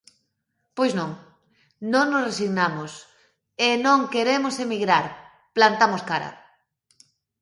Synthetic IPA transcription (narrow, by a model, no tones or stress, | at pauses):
pojsnõŋ | nõŋnosresiɣnamos | enõŋkeɾemosemiɣɾaɾ | plant̪amoskaɾa̰